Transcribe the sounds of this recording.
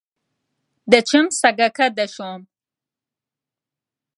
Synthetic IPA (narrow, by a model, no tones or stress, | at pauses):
d̪ət͡ʃɪmsaɡakad̪aʃom